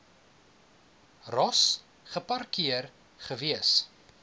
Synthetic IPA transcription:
rɔs | χəpɐrkiər | χəviəs

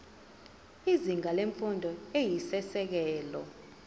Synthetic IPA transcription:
iziŋʱaleɱfundʱɔejisɛsɛk̬ɛːlɔ

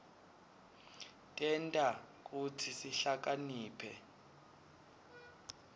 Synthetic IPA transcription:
tʼɛntʼa | k̬utʰisiɬak̬aniːpʰɛ

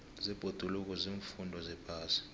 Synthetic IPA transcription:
zib̥ʱod̥ʱuluk̬ʼɔziːɱfundʱɔzɛpʰʼaːsi̥

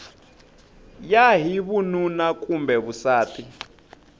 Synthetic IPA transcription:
jaɦiβununakʼumbɛβusaːtʰʼi

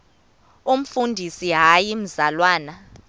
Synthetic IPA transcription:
um̩fundʱisiɦajim̩zalwaːna

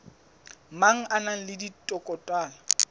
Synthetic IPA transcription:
maŋ̩ʔanaŋ̩lɪditʼɔkʼɔtʼwaːla

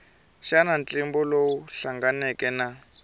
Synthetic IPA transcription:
ʃanant͡ɬʼimbɔlowuɬaŋɡanɛkɛna

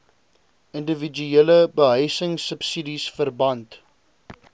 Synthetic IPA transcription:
əndəvid͡ʒyeləbəɦœjsəŋsəpsidisfərbɐnt

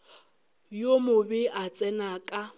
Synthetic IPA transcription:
jomʊbɪʔat͡sʼɛnakʼa

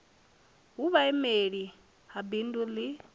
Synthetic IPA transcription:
ɦuβaɛmeɺi | habinduli

